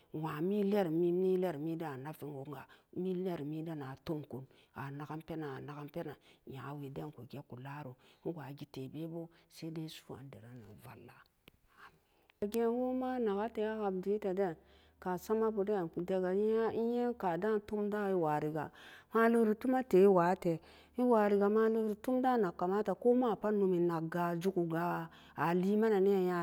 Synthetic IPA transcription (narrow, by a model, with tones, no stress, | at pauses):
wa˨mi˦le˦ɾmi˦m˦i˦le˦ɾmi˦da˦a˨na˦fi˦ŋo˨ŋ˦ɡa˨mi˦le˦ɾmi˦da˦na˨to˦mku˨n | a˨na˨ɡa˦mpe˦na˨a˨na˨ɡa˦mpe˦na˨ja˨wi˨da˦n˨ko˨ɡe˦ku˨la˦ɾo˨˦ɡʷa˨ɡi˨te˨be˦bo˦ | se˦de˦su̥˦a̰˨n˦de˨ɾa˦na̰˨va̰˨lːa˦ | a˨ | a˨ɡe˦wu˦ma˦na˨ɡa˦te˨a˦ka˨bdu˨˦i˦ta˨de˦n | ka˨sa˦ma˦bu˨de˦˨ku˨de˦ɡa˨˦a˦i˦je˦ka˨da˦n˦tu˦mda˦i˦wa˨ɾi˨ɡa̰˨ma˦li˦ɾi˨tu˦ma˦te˨i˦wa˨˦te˨ | i˦wa˨ɾi˨ɡa˨ma˦lu˦ɡɾi˨tu˦mda˦na˨kːa˨ma˦ta˨ko˦ma˦˨pa˦nu˨mi˨na˨ɡa˨d͡ʒu˦ku˨ɡa˨ | a˨li˦ma˦na˨ne˦a˨ja˦